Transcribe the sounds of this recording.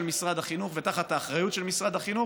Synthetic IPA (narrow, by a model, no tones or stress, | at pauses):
lmisʁad̪aχinuχvet̪aχat̪aːχʁajutʃelmisʁad̪aχinu